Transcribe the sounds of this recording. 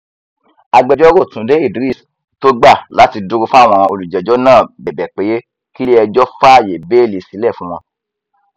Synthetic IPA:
a˧˨ɡ͡bɛ˧˦d͡ʒɔ˦ɾo˦˨tũ˨˦de˨˦i˦˨di˨ɾi˦˨s | to˦ɡ͡ba˦˨la˨˦ti˧du˦ɾu˧fũ˦a˦˨w̃ɔ̃˧ɔ̃˧o˧lu˨d͡ʒɛ˨d͡ʒɔ˦nãː˦˨bɛ˨bɛ˨k͡pe˨˦je˦ | ki˦le˦ɛ˧d͡ʒɔ˦fa˦˨je˨be˦˨le˧˨si˨˦lɛ˦˨fũ˨˦w̃ɔ̃˧

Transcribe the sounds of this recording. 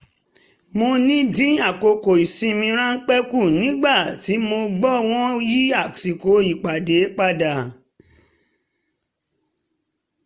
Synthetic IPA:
mo˧nĩ˦dĩ˦a˨ko˨ko˨i˨sĩ˧mĩ˧ɾ̃ã˦ŋ̩˦k͡pɛ˦ku˦˨nĩ˦ɡ͡ba˦˨ti˨˦mo˧ɡ͡bɔ˦˨w̃ɔ̃˦ji˦a˦˨si˨ko˨˦i˦˨k͡pa˨de˨˦k͡pa˦da˨

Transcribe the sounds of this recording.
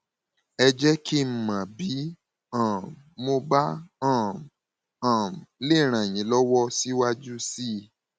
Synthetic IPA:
ɛ˧d͡ʒɛ˦kʰi˦m̩˨mã˨bi˨˦ | ã˨ | mo˧ba˦ã˦˨ | ã˨le˦˨ɾ̃ã˨j̃ĩ˨˦lɔ˦wɔ˦si˦wa˧d͡ʒu˦si˦

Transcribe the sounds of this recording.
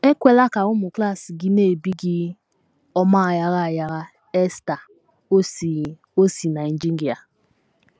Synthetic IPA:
e˦kʷe˦la˦ka˨ʊ˦mʊ˨kla˦˨si˨ɡɪ˦ne˦˨bi˦ɡɪ˦ | ɔ˦ma˦˨ja˦ɣa˦˨ja˦ɣa˦ | e˦sta˨˦˨ | o˦si˨na˨i˨n̩˨d͡ʒi˦i˨a˨

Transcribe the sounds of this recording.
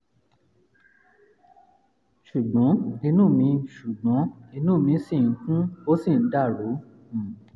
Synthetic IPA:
ʃu˨ɡ͡bɔ̃˨˦nĩ˧nũː˦˨mĩ˧˦ʃu˨ɡ͡bɔ̃˨˦i˧˦nũː˦˨mĩ˧˦sĩ˦˨˧kũ˦o˦sĩ˦˨n̩˦da˦˨ɾõ˨˦˨

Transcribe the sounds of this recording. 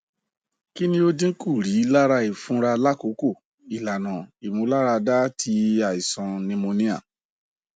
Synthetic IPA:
ki˦nĩ˧˦o˦dĩ˦ŋ̩˦ku˦˨ɾi˨˦la˦ɾa˧i˦˨fũ˨˦ɾa˧la˦ko˨˦ko˦˨ | i˨la˨nã˨i˨mõ˨˧˦la˦ɾa˧da˦tʰi˨˦a˦˨i˨sɔ̃˧nĩ˧mõ˧nĩ˦a̰˦˨

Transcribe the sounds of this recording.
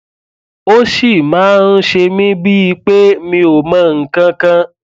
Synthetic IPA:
o˦ʃi˦˨mãː˨˦n̩˦ʃe˧mĩ˦bi˦i˧k͡pe˦mĩ˧o˨mã˨˦ŋ̩˨kã˧kã˧

